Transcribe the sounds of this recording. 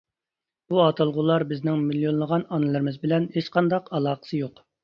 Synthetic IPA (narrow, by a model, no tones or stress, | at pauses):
buɑt̪ɑlˠʁʊlˠɑɾbɪznɪŋmilijonˠlˠəʁɑnɑnɨlˠɨɾɪmɨzbɪlɛnhet͡ʃqɑnd̪ɑqɑlˠɑːqə̥sɨjoq